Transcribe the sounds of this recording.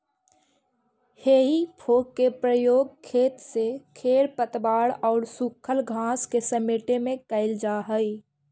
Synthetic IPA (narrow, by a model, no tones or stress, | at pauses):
heːɦipʰoːkkːepɾəjoːɡ̚kʰeːt̪sekʰeːɾpət̪baːɽɔːɾsukʰəlɡʱãːskesəmeːʈemẽkəɪld͡ʒaːɦəi